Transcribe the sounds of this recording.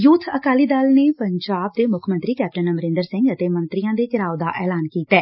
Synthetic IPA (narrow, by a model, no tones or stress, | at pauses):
jʊt̪ʰəkaːliːd̪aːlneːpəɲd͡ʒaːb̚d̪eːmʊkʰmə̃nt̪ɾiːkɛːp̚ʈənəməɾɪ̃nd̪əɾsɪ̃ŋɡət̪eːmə̃nt̪ɾijãːd̪eːt͡ʃɪɾaːod̪aːʔɛːlaːnkiːt̪ɛː